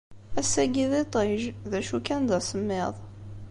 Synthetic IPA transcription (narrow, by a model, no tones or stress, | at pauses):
æsæɡiðˤit̪ˤeʒðæʃukænd̪æsəmːeðˤ